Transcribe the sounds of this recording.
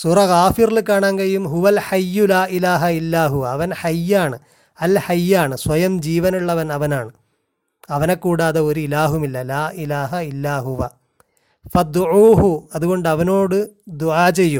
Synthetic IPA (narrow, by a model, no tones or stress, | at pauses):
suːrɐɣaːfirilɨkːaːɳaːŋɡɐjumɦuʋɐlħɐjːulaːʔilaːɦɐilːaːɦuʋɐːʋɐnħɐjːaːɳɨ | ɐlħɐjːaːɳɨsʋɐjɐmd͡ʑiːʋɐnuɭːɐʋɐnɐʋɐnaːɳɨ | ɐʋɐne̞kːuːɽaːðɐo̞ɾuilaːɦumilːɐlaːʔilaːɦɐilːaːɦuʋɐ̰ | fɐd̪uʕuːɦuɐðuɣo̞ɳɖɨɐʋɐno̞ːɽɨd̪uʕaːt͡ɕejːum